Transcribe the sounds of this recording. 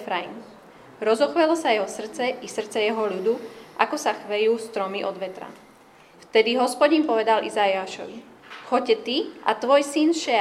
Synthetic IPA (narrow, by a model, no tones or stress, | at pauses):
fɾaim | ɾɔzɔxʋɛlɔsajɛɦɔsr̩t͡sɛʔisr̩t͡sɛjɛɦɔʎud̪uʔakɔsaxʋɛjuːst̪ɾɔmiʔɔd̪ʋɛt̪ɾa̰ | ft̪ɛd̪iɦɔspɔɟinpɔʋɛd̪alʔizaiaʃɔʋi | xɔcɛt̪ia̰t̪ʋɔjsinʃɛ